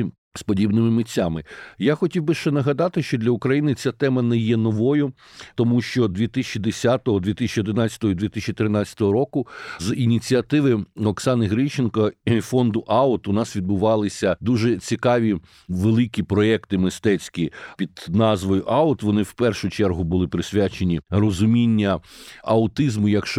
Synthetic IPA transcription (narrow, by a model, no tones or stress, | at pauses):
spɔdʲibnɪmɪmɪt͡sʲːamɪjaxɔtʲiwbɪʃt͡ʃɛnɐɦɐd̪ɑt̪ɪʃt͡ʃɔd̪lʲɐʊkɾɐjinɪt͡sʲat̪ɛmɐnɛjɛnɔʋɔjʊ | t̪ɔmuʃt͡ʃɔd̪ʋʲit̪ɪsʲt͡ʃid̪esʲat̪ɔɦɔd̪ʋʲit̪ɪsʲɪt͡ʃʲiɔd̪ɪnɑt͡sʲɐ̥t̪ɔɦɔid̪ʋʲit̪ɪsʲt͡ʃit̪ɾɪnɑt͡sʲɐ̥t̪ɔɦɔɾɔkʊzinʲit͡sʲiɐt̪ɪʋɪɔksɑnɪɦɾɪt͡ʃenkɐfɔnd̪ʊʔɑʊt̪ʊnɑsʋʲid̪̚bʊʋɑlˠɪsʲɐd̪uʒɛt͡sʲikɑʋʲi | ʋelˠɪkʲipɾɔɛkt̪ɪmɪst̪ɛt͡sʲkʲipʲid̪nɑzʋɔjʊʔɑʊt̪ʋɔnɪwpɛrʃʊt͡ʃɛrɦʊbʊlˠɪpɾɪsʲʋʲat͡ʃenʲirɔzʊmʲinʲːɐɐʊt̪ɪzmʊjɐkʃ